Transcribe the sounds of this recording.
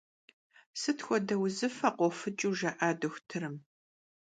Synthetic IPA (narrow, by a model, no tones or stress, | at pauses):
sɨtʰxʷɔdɐwzɨfɐqʷɔfɨt͡ʃʼuːʒɐʔaːdɨxʷtʰɨɾɨm